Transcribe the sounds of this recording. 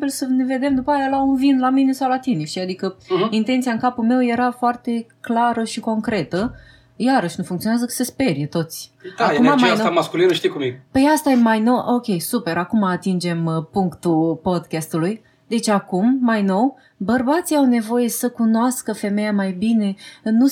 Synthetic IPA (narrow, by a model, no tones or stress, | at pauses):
bilsəne̞ve̞d̪e̞md̪upajalaunvinlamine̞sawlat̪iniʃiad̪ikəint̪e̞nt̪siaɨŋkapulme̞wje̞ɾafoart̪e̞klaɾəʃiko̞ŋkɾe̞t̪ə | jaɾəʃnufuŋk̪ionazəkə̥sespe̞ɾiet̪o̞t̪sʲaumamajnamaskulinəʃt̪ijkumpejast̪ajemajno̞wʔo̞kʲe̞jsupeɾakumaːt̪ind͡ʒe̞mpuŋkt̪upo̞d̪kʲast̪uluj | d̪e̞t͡ʃakumːajno̞w | bərbat̪siawne̞vo̞je̞səkunoaskəfe̞me̞jamajbine̞nu